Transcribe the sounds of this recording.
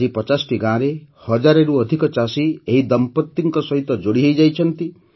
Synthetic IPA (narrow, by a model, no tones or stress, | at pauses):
ɾipɔt͡ʃasʈiɡãɾehɔd͡ʒaɾeɾuɔd̪ʱikɔt͡ʃasieɦid̪ɔmpɔt̪ːiŋkɔsɔɦit̪ɔd͡ʒoɽiɦejd͡ʒajt͡ʃʰɔnt̪i